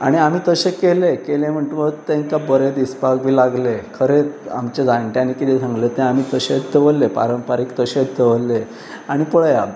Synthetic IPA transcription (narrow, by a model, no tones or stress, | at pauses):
aɽ̃iam̤iːt̪əɕekelekelẽm̤əɳʈ̪ʋət̪ẽŋkabəɾed̪ispak̚bʱiːlaɡlekʰəɾea̰mt͡ɕed͡zaɳʈjanikit̪ʰesãŋɡlet̪ẽam̤iːt̪əɕet͡sd̪eʋəlːepa̰ɾəmpaɾiːkt̪əɕet͡sd̪eʋəlːe | aɽ̃ipəɭja